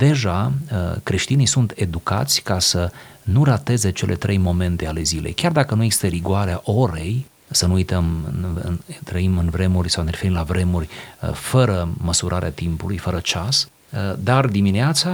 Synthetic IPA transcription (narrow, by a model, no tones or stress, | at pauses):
d̪e̞ʒakɾe̞ʃt̪inijsunt̪e̞d̪uka̰t̪sʲkasənurat̪e̞ze̞t͡ʃe̞lʔe̞t̪ɾʔe̞jmo̞me̞nt̪e̞ale̞zile̞̰jkʲard̪akənuje̞ɡzist̪əɾiɡuaɾeaʔo̞ɾe̞j | sənuujt̪əmɨ̰ɨ̰nt̪ɾəimɨnvɾe̞murʲsawneɾefeɾimlavɾe̞murʲfəɾəməsuɾʔaɾeat̪impulujfəɾət͡ʃas | d̪ard̪imineat̪sa